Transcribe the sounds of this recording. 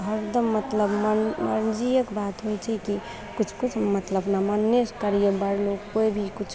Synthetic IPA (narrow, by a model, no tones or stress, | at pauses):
ɦəɾd̪əmːət̪ləbməməɾnd͡ʒijəkbat̪ɦojt͡ʃʰɛki | kut͡ʃʰkut͡ʃʰmət̪ləbnamənːeskəɾijəbəɾloɡkoibʱikut͡ʃʰ